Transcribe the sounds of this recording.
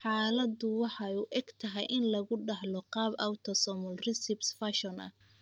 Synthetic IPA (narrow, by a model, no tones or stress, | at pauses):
ħɑːlɐdʊwɑħɑuːʔɛɡ̥t̪ʰɐɦɛjʔɪnlɐɣʊɖɑhlɔqɑːbawt̪ʰɔsɔmʊlrɪsɪbsfaʃɔnɐ̰